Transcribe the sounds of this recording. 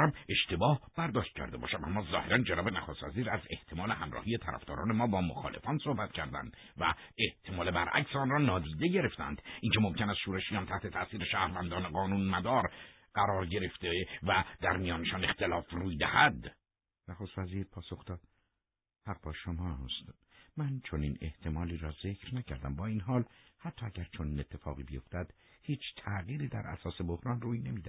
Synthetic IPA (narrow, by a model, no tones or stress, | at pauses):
æme̞ʃt̪e̞bɒːhb̥æɾd̪ɒːʃt̪̚cʰæ̰ɾd̪e̞bɒ̰ːʃæmʔæ̰mːɒːzɒːheɾænd͡ʒenɒːbenæxost̪væ̰ziːɾæze̞̰ht̪ʰe̞mɒːle̞hæmrɒ̰ːhijet̪ʰæɾʔæ̰fd̪ɒ̰ːɾɒ̰ːne̞mɒːbɒːmo̰xɒ̰ːlḛfɒːnsohbæt̪cʰæɾd̪æ̰nd̪ | væ̰e̞ht̪ʰe̞mɒːlebæɾʔæ̰csɔnrɒːnɒːd̪iːd̪e̞ɟe̞ɾe̞ft̪æ̰nd̪̥ʔincʰemomcʰenæsʃuːɾeʃijɒnt̪ʰæht̪ʰe̞t̪ʰæʔsiːɾeʃæːhɾvænd̪ɒːneɡɒːnuːnmæd̪ɒːɾ | ɢæɾɒːɾɟe̞ɾe̞ft̪evæd̪æɾmijɒːneʃɒːne̞xt̪elɒːfruːjd̪æhæd̪ | næxo̞st̪væziːɾpʰɒːso̞xd̪ɒːd̪̥ | hæɣ̚bɒːʃomɒːst̪ | mænt͡ʃʰoniːne̞̰ht̪ʰe̞mɒːliːɾɒːze̞cʰɾnæcʰæɾd̪æmbɒːinɦɒːlhæt̪ʰːɒːæɟæɾt͡ʃʰoniːne̞t̪ʰːe̞fɒ̰ːɣiːbejo̞ft̪æd̪̥ | hiːt͡ʃʰt̪ʰæɣiːɾiːd̪æ̰ɾʔæ̰sɒːse̞bo̞hɾɒːnruːjne̞miːd̪æ